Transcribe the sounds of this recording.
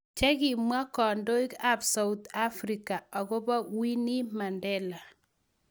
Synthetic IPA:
t͡ʃɛ˦ɡi˨mwa˦kɔ˨ndo˦i˦ka˦bsa˦ut̪a˦fɾika˨a˨ɡɔ˦ba˦wi˦ni˦ma˨ndɛ˦la˨

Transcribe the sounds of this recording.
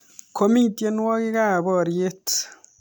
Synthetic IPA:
kʰo˦mi˦tje˦nwɔ˦ki˦ka˦˨bɔ˨ɾje˦t

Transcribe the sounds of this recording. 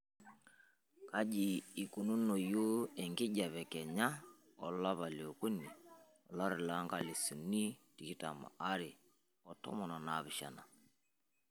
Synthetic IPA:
ka˦ʄiː˨ku˨nu˦no˨jo˦ɛ˨ŋɡɪ˦ɟa˨βɛ˨kɛ˨ɲa˦ | ɔ˨la˦βa˨lo˨ku˦ni˨ | ɔ˨la˦ɾi˨la˨˦ŋɡa˨li˨su˨ni˦ti˨ki˦ta̰˨ma̰˨ʔa˦ɾɪ˨ | ɔ˨tɔ̰˦mɔ˨na˨na˨βɪ˨ʃa̰˨na̰˨

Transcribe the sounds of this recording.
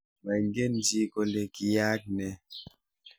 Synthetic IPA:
ma˨ŋ˦ɡe˦n˦di˦ko˨nde˨ki˨ja˦k̚nɛ˨

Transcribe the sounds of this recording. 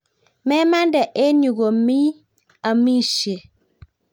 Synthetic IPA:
mɛ˦ma˦ndɛ˨ʔe˦ɲu˨ɡo˨mi˦ | a˨mi˦ʃje˨

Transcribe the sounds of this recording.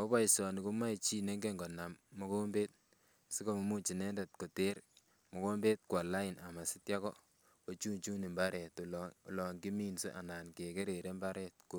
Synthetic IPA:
o˦βa˦i˨sɔ˨ni˨ku˦ma˦i˨t͡ʃi˦ne˦ŋɡe˦ŋɡɔ˨na˨mːo˦ko˦mbe˦t̚ | si˦ko˨mu˨mu˦t͡ʃi˨ne˦nde˨t̚ko˨te˦ɾ | mo˨ko˦mbe˦t̚kwa˨la˦i˨na˨ma˨si˦tja˦kɔ˦ | o˨t͡ʃu˦nt͡ʃu˦ni˨mba˦ɾɛ˨tːlɔ˨ŋɡi˦miː˦nse˦ʔa̰˨naː˨nke˨ke˦ɾe˨ɾe˦mba˦ɾɛ˦t̚ko

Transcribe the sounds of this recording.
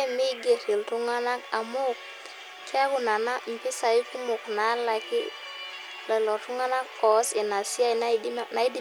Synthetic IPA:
mi˦ɡe˨ɾi˨ltu˦ŋa˦na˦ka˨mʊ˦k̚ | kʰɛ˦kʊ˨na˨na˦m̩˨pɪ˦sa˨ɪ˦ku˦mʊ˨kna˨˦la˨kɪ˦ | lɛ˨lɔ˨tʊ˦ŋa˦na˦kkɔ˨˦sɪ˨na˨sɪ˦a˦i˨na˦na˨i˦di˦

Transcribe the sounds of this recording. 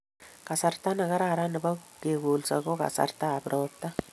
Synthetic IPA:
ka˨sarta˦na˨ka˦ɾa˨ɾa˦nɪ˨ba˦ke˨ku˨lsa˨ko˦ka̰˨sa̰˨rtaː˦˨bɾʔɔp̚ta˦

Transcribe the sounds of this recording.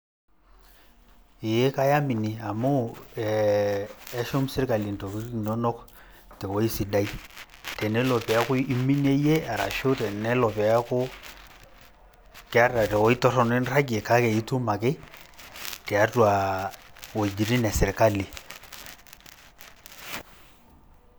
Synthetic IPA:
ɪ˨je˦ka˦ja˦mi˨ni˨a˨mu˦ɛː˨˦ | ʃʊ˦msɪ˦ɾka˨li˨n˨tɔ˨ki˦ɾki˨nɔ˦nɔ˦k | tɛ˨wɔ˦i˦si˨da˦i˦tɛ˨nɛ˦lɔ˨pɛ˨a˦kʊ˦i˦mi˦ne˦je˦a˨ɾa̰˨ʃo˦tɛ˨nɛ˦lɔ˨pɛ˨a˦kʊ˦ | kɛ˦a˦ra˨tɛ˨wɔ˦i˦tɔ˦ɾɔ˦nɛ˦nra˦ɡe˨ka˦kɛ˨i˦tu˦ma˨kɪ˦ | tɛ˨a˦twa˨ | wɔ˨i˨d͡ʒi˨ɾi˦nɛ˨sɛ˨ɾka˦li˨

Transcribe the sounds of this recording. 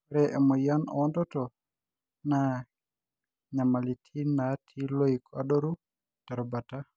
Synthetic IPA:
ɾɛ˨ʔɛ˨mɔ˨ja˦nɔ̰˨ɔ˦ndɔ˦tɔ˨ | na | ɲa˨ma˨li˨tʰi˦na˨tʰi˦lo˦ikʰa̰˦do˦ɾu˦ | ta˨ɾɔ˨ba˨ta˦

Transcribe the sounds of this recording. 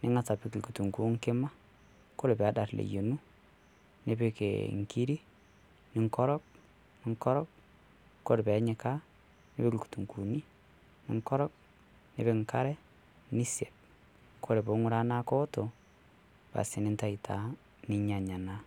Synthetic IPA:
nɪ˦ŋa˦sa˨pi˦klku˨tu˨ŋku˦ŋkɪ˦ma˦ | ko˦ɾe˨pɛ˨˦da˨rlḛ˨jo˨nu˦ | ne˦pe˦kḛ˨ŋki˦ɾi˦ | nɪ˨˦ŋkɔ˦ɾɔ˦k̚ | nɪ˨ŋkɔ˦ɾɔ˦k̚ | kːo˦ɾpɛ˨˦ɲɛ˨ka˦ | ne˦pe˦kku̥˨tu˨ŋku˨ni˦ | nɪ̰˦ŋkɔ˦ɾɔ˦k̚ | ne˨be˦ŋka˦ɾɛ˦ | ni˦sje˨p̚ | kʰo˦ɾe˨po˨˦ŋʊ˦ɾa˦na˦kɔ˦to˨ | pa̰˨sɪ˨nɪ˦nta˦˨ɪ˨tʰa˦ | nɪ˦ɲa˨ɲa˨na˦

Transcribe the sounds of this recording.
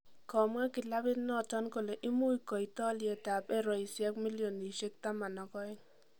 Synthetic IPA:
kɔ˨mwa˦kɪ˨la˦bɪ˦tnɔ˦˨tɔ˦nko˨le˨ʔɪ˦mu˦i˦kɔ˨i˨tɔ˦lje˨ta˨pɛ˦ɾɔ˨i˨sjɛ˦kmi˦ljo˨ni˨ʃe˦k̚ta˦ma˨nɔ˨kɔ˦ɪ˦ŋ

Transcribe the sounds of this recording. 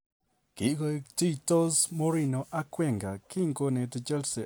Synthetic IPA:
ki˨ʔɡo˧kt̪i˦t̪o˦zmo˦ɾi˦no˧ʔa˦kwe˦˨ŋɡa˨ki˦ŋɡo˧ne˧t̪e˧t͡ʃe˦lse˨

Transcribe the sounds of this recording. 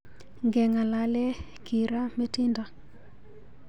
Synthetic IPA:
ŋɡɛ˨ŋa˨la˨lɛ˦ | ki˨ɾa˦me˦ti˦nda˨

